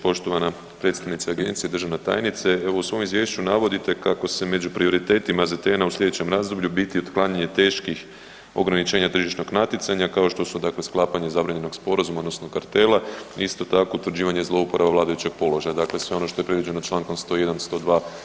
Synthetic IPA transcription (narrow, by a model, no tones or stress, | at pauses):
po̞ʃt̪oʋana | pɾe̞t̪st̪aʋnit̪seaɡe̞nt̪sied̪ɾr̩ʒaʋnet̪a̰ːjnit̪se̞e̞ʋo̞usʋo̞ːmizʋjeːʃt͡ɕunaʋo̞d̪it̪e̞kako̞se̞me̞d͡ʑupɾio̞ɾit̪e̞ːt̪imazat̪enauslʎʲe̞d̪et͡ɕe̞mɾaːzd̪o̞bʎubit̪iod̪klˠaːɲaɲe̞t̪e̞ːʃkix | o̞̰ɡɾanit͡ʃe̞ːɲat̪r̩ʒiʃno̞ɡnat̪it̪saɲakao̞ʃt̪o̞sud̪akle̞sklˠaːpaɲe̞zabɾaɲe̞no̞ɡ̥spo̞ɾazumaod̪nosno̞kaɾt̪e̞lˠaiist̪o̞t̪akout̪ʋɾd͡ʑiːʋaɲe̞zlˠo̞upo̞ɾʔaʋaʋlaːd̪ajut͡ɕe̞ɡ̥̚po̞lo̞ʒajad̪akle̞sʋe̞o̞no̞ʃt̪o̞jepɾed̪ʋid͡ʑenot͡ʃlˠaːŋko̞mst̪o̞je̞d̪anst̪o̞ːd̪ʋaː